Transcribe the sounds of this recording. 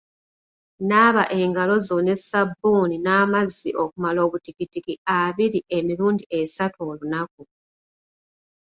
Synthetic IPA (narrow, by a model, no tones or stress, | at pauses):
naːβaʔe̞ːŋɡalo̞zo̞ne̞sabːuːninaːmazːiʔo̞kumalo̞ːβutikitikiaβiɾiʔe̞miɾuːndiʔe̞satoːlunak̚u